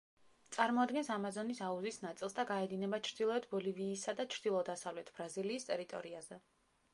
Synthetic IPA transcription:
t̪sʼaɾmɔad̪ɡɛnsamazɔnisauzisnat̪sʼilˠsd̪aɡaɛd̪inɛbat͡ʃʰɾd̪̥ilˠɔɛt̪ʰbɔliviːsad̪at͡ʃʰɾd̪ilˠɔd̪asavlɛt̪ʰb̥ɾaziliːst̪ʼɛɾit̪ʼɔ̰ɾiazɛ

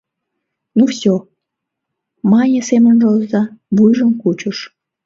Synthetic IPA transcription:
nufsʲo | mɑnʲesemənʒolzɑβujʒəmkut͡ɕuʃ

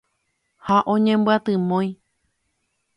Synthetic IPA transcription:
haʔõɲẽmbɨat̪ɨ̃mõj̃

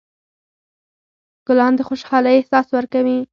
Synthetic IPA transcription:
ɡ̥ʊlɑnd̪əxoʃxɑləjehsɑswəɾkawi

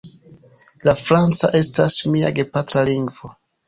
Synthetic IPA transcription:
lafɾant͡saʔe̞stasmia̰ɡe̞patɾaliŋɡvo

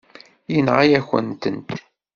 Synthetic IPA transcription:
jənʁajæçə̰nt̪ə̰nt̪

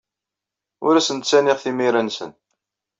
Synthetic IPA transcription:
ʊ̰ɾæsənt̪sænɪʁθimiɾænsə̰n

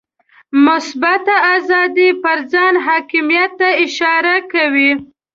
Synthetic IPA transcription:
mʊsbat̪aazɑd̪ipəɾd͡zɑnɦɑkɪmijat̪ːaɪʃɑɾakawi

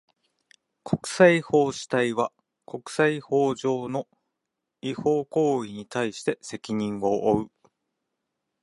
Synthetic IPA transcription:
kʰo̞kɯ̟̥saiho̞ːɕi̥t̪aiβa | ko̞kɯ̟̥saiho̞ːʑo̞ːno̞ | iho̞ːko̞ːiɲ̟it̪aiɕi̥t̪e̞se̞kʲiɲ̟ĩŋɡo̞ʔːɯ̟

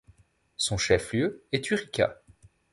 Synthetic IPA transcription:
sɔ̃ʃɛfljøɛt̪yʁikʲa̰

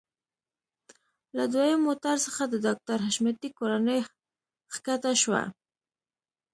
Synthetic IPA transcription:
lad̪wajəmːot̪aɾsəxad̪əd̪ɑk̚t̪aɾɦaʃmat̪ikoɾanəj | xkat̪aʃwa̰

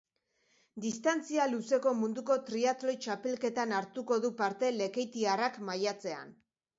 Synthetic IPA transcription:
d̪ist̪ant͡sialuse̞ko̞mund̪uko̞t̪ɾiat̪lo̞jt͡ʃape̞lke̞t̪anaɾt̪uko̞ðupaɾt̪e̞le̞ke̞jt̪iarakmajat͡se̞a̰n

